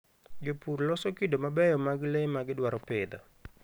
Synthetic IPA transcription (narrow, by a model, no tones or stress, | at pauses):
d͡ʒopurlɔsɔkɪdomabɛjɔmaɡɪlemaɡɪdwaɾɔpɪd̪ɔ̰